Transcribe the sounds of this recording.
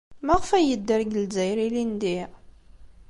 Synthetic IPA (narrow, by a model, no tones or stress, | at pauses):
mæʁəfæjəd̪ːəɾɡəlzæjɾilind̪i